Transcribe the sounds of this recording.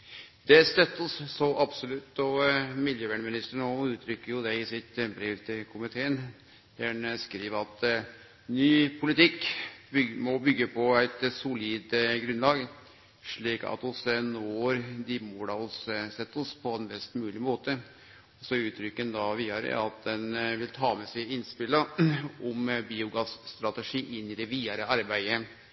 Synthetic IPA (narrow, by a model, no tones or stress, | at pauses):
d̪ɛst̪œt̪ːɔssɔʔɑbsɔlʉt̪ːɔmɪljøːʋæɳəmɪnɪst̪əɳɔʉːt̪ʰɾʏkːəɾjʊd̪ɛɪsɪt̪bɾeːʋt̪ʰɪkʰʊmɪt̪ʰeːn | d̪ænskɾiːʋəɑt̪ | nyːpʰʊlɪt̪ɪkː | mɔbʏɡːəpʰɔæɪt̪sʊliːd̪ɡɾʉnlɑːɡ | ʂɭiːkɑ̰t̪ɔsənɔɾd̪ɪmɔd̪ɑɔsəsɛt̪ːɔspʰɔɛnbɛst̪mʉːlɪmoːt̪ə | ɔsɔʉːt̪ʰɾʏkːənd̪ɑʋiːɑɾə̰ɑt̪̚d̪ɛnʋɪlt̪ʰɑːmɛsæɪɪnspɪləɔmbiːʊɡɑsst̪ɾɑt̪ɛʂiːʔɪnːɪd̪ɛʋiːəɾəɑɾbæɪə